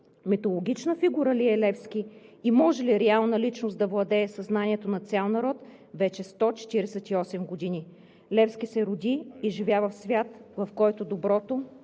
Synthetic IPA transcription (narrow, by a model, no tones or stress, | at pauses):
mɛt̪olˠoɡʲit͡ʃnəfiɡuɾəliɛlɛfskʲiimɔʒɛliɾɛalˠnəlit͡ʃnosd̪ɐvlˠɐd̪ɛːsɐznaniɛt̪onɐt̪sʲalˠnɐɾɔt̪ | vɛt͡ʃɛst̪ɔt͡ʃɛ̥t̪iɾɛsɛt̪iɔsɛmɡod̪ini | lɛfskʲisɛɾʊd̪iːʒivʲjavəfsvʲjat̪vɐfkɔjt̪od̪obɾɔt̪o